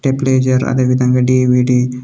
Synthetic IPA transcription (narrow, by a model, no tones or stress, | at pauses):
ʈepleːd͡ʒɐɾɐ̰d̪eːʋid̪ʱɐŋɡaːɖiːʋiɖi